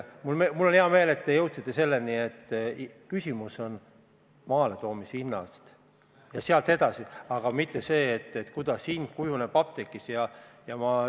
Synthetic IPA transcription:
mulmemulːoneɑme̞ːle̞t̪̚ːe̞jɤwt̪sit̪ˑːe̞se̞lːenie̞t̪ːkysʲimuso̞n | mɑːle̞t̪o̞ːmisinːɑ̰st̪ | jɑseɑlt̪e̞d̪ɑsiɑɡ̥ɑmit̪ːe̞se̞ːt̪ːet̪ːkud̪̥ɑsin̥kujunepɑp̚t̪e̞kːˑisjɑjɑmɑ

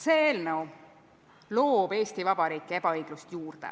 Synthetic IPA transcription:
seeːlnəw | lo̞ːb̥e̞ːst̪ivɑbɑɾiːkːˑee̞b̥ɑɤjɡ̥lust̪juːrd̪̥ḛ

